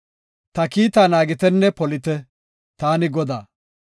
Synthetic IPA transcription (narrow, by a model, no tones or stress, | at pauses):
t̪ɐkiːt̪aːnaːɡɪt̪ɛnːɛpɔlɪt̪ɛ | t̪aːnɪɡɔd̪aː